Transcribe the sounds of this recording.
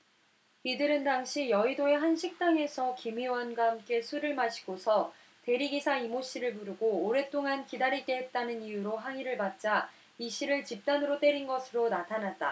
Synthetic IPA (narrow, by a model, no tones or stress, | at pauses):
idɯɾɯndaŋɕʰijʌidoe̞ɦanɕʰik̚t͈aŋe̞sʰʌkimiwʌnɡwaɦamk͈e̞sʰuɾɯɭmaɕʰi̥ɡ̥osʰʌ | te̞ɾiɡisʰaimoɕ͈ʰiɾɯɭpuɾɯɡoːɾe̞t͈oŋankidaɾiɭk͈e̞ɦet̚t͈anɯnijuɾoɦaŋiɾɯɭpat̚t͡ɕ͈a | iɕʰiɾɯɭt͡ɕip̚t͈anɯɾot͈e̞ɾinɡʌsʰɯɾonatʰanat̚t͈a̰